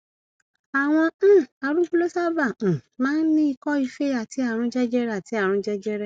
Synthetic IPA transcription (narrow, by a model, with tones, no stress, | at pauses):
a˨w̃ɔ̃˧˦˨a˧ɾũ˦ku˦lo˦sa˦bã˦˨mãː˦n̩˦nĩ˦i˧kɔ˦i˧fe˦a˨tʰi˨˦a˦˨ɾ̃ũ˧d͡ʒɛ˦d͡ʒɛ˦ɾɛ˦a˨ti˨˦a˦˨ɾ̃ũ˧˦d͡ʒɛ˦d͡ʒɛ˦ɾɛ˦˨